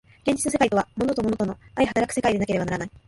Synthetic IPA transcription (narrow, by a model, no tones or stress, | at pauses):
ɡ̥ẽɲ̟d͡ʑi̥t͡sɨse̞kait̪o̞β̞amo̞no̞t̪o̞monot̪o̞no̞aihat̪aɾakɯ̟̥se̞kaid̪e̞nake̞ɾe̞banaɾanai